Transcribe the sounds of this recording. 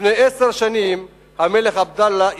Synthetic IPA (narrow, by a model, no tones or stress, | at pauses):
nejeseʁʃanim | hame̞leχabd̪alːaʔ